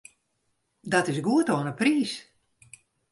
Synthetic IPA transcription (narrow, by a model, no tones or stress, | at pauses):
dɔtɪsɡuətoːənəpriːs